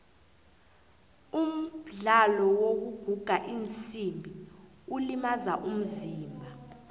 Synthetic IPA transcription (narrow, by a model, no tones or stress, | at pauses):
um̩ɮalɔwok̬uɡ̥ʱuɡ̥ʱaʔint͡sʼimbʱi | ulimazaʔum̩ziːmbʱa